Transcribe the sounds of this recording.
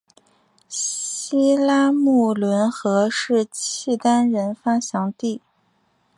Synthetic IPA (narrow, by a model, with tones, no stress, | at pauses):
i˥la˥mu˥˩lwə˧˥nxɤ˧˥ʂɻ̩˥˧t͡ɕʰi˥˩t̪a˥nɻə˧˥nfa˥ɕjɑ˧˥ŋt̪i˥˩